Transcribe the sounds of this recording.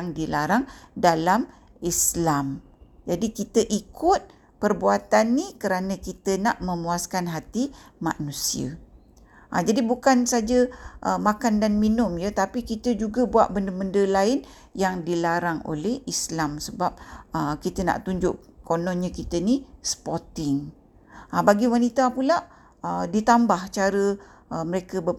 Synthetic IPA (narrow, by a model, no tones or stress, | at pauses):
ŋdilaɾaŋdalam | islam | d͡ʒadikit̪əʔikʊt̪̚ | pərbuat̪anːikəɾanə̃kit̪ənaʔməmuaskanɦat̪imã̰nũsiə̰ | ʔad͡ʒadibukansad͡ʒəʔəmakandanminʊmjət̪apikit̪əd͡ʒuɡəbua̰ʔ̪̚bəndəbəndəlaɪn | jaŋdilaɾaŋo̰lɛhislamsəbap̚əkit̪əna̰ʔt̪uɲd͡ʒʊʔkonɔnɲə̃kit̪ənisə̥pot̪ɪŋ | ʔbaɡiwanit̪apulaʔ | ədit̪ambaht͡ʃaɾə | əməɾekəbə